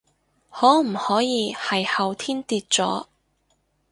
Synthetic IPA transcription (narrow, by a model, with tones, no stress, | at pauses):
hɔː˨˥m̩˨˩hɔː˨˥jiː˨˧hɐ˨jhɐ˨wt̪ʰiː˥nt̪iː˧t̚t͡sɔ̰ː˨˥